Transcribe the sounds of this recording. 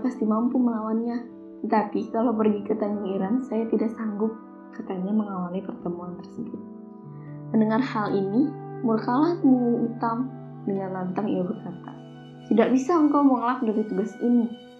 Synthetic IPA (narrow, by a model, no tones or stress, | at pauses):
past̪imampuməlawanɲa | t̪ət̪apikalawp̬ərɡikət̪anɡʊŋiɾansajat̪idaʔsaŋɡʊp̚ | kat̪aɲaməŋawalipərt̪əmuant̪ərsəbʊt̪̚ | məndəŋarhalinimulkalahmuut̪am | dəŋanlant̪aŋḭabərkat̪a̰ | t̪idaʔ̚bisaəŋkawmoŋlak̚daɾit̪uɡasini